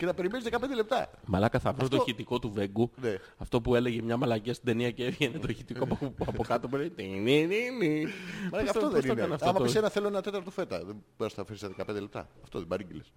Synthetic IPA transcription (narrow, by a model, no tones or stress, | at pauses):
cenɐpe̞ɾimenizðekɐpend̪elep̚t̪ɐ̰mɐlɐkɐθɐvost̪oçit̪iko̞t̪uve̞ɡune | ɐft̪o̞pue̞le̞ʝemɲɐmɐlɐciɐst̪id̪e̞niɐceevʝenet̪oçit̪ikopɐpokɐt̪opeɾeninininimɐɐfoðsonkɐnɐftaomɐopisenɐθeloenɐt̪et̪ɐɾt̪ofe̞t̪ɐðeboɾɐst̪nɐfesiseðekɐpe̞nd̪elept̪ɐ̰ɐft̪oðebɐɾiɟiles